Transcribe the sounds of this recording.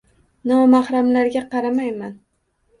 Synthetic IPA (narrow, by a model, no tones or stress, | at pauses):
nɒmahɾamlaɾɡʲaqɑɾamajman